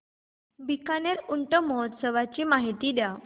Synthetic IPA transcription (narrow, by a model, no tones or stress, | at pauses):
bikaneɾuɳʈəmɔɦɔt̪səʋat͡ɕiːmaɦit̪iːd̪ja